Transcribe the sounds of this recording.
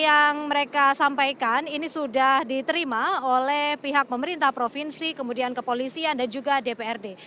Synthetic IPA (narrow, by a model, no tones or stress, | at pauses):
jaŋməɾekasampajkaninisudahdit̪əɾimaolɛhpiɦak̚pəməɾint̪ahpɾofinsikəmudiankəpolisiandand͡ʒuɡadepeɛrde